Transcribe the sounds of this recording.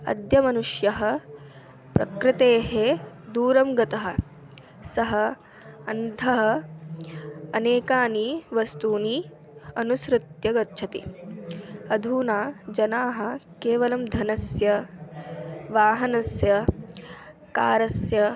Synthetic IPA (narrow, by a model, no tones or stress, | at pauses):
ɐ̰d̪jɐmɐnuʂjɐɦɐ̆ | pɾɐ̰kɾɪt̪eːɦe | d̪uːɾɐmɡɐt̪ɐɦɐ̆ | sɐɦɐ | ɐnd̪ʱɐɦɐ̆ | ɐneːkaːniʋɐst̪uːni | ɐnusɾɪt̪jɐɡɐtːʃʰɐt̪i | ɐd̪ʱuːnaːd͡ʒɐnaːɦɐ̆keːʋɐlɐmd̪ʱɐnɐsjɐ | ʋaːɦɐnɐsjɐ | kaːɾɐsjɐ